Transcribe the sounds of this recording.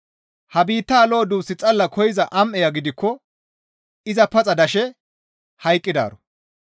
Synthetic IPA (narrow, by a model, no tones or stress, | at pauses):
hɐbiːt̪ːaːlo̞ːd̪uːsɪt͡sʼɐlːɐkʰɔjɪzɐʔɐmʔɛjɐɡɪd̪ɪkːɔ | ɪzɐpɐt͡sʼɐd̪ɐʃɛ | hɐjkʼːɪd̪a̰ːɾɔ